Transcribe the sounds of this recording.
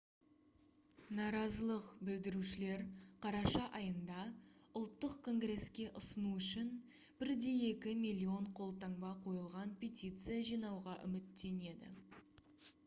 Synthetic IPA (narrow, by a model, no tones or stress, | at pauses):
nɑɾɑzəlˠəqbɪld̪ɪɾuʃɪle̞ɾqʰɑɾɑʃɑʔɑjənd̪ɑʊlˠt̪ːəqkʰo̞ŋɡre̞skʲe̞ʔʊsənuʏʃɪn | b̥ɪɾd̪e̞e̞kʲɪmʲilʲˠːio̞ɴqʰo̞lˠt̪ɑŋbɑqʰo̞jəlˠʁɑnpʰʲe̞t̪ʲit̪sɨjaʒijnɑwʁɑʔʏ̰mɪt̪ːe̞ne̞d̪ɪ̰